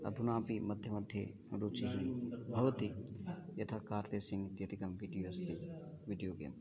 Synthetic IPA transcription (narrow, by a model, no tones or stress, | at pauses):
ɐ̰d̪ʱunãːpimɐd̪ʱjɐmɐd̪ʱjḛ | ɾuːt͡ʃiɦibʱɐʋɐt̪ijɐt̪ʰakaːɾʋeːsiŋt̪jɐt̪ikɐmʋiɖijoːst̪i | ʋiɖijoːɡḛːm